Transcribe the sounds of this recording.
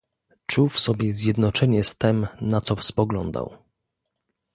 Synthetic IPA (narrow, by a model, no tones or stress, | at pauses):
t͡ʂufsɔbʲjɛzʲjɛd̪nɔt͡ʂɛɲɛst̪ɛmnat̪sɔfspɔɡlɔ̰nd̪a̰w